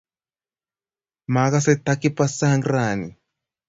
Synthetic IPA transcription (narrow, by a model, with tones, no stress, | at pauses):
ma˨˦ɣa˦sɛ˦t̪a˦ki˦pa˦sa˦ŋɡɾa˨ni˨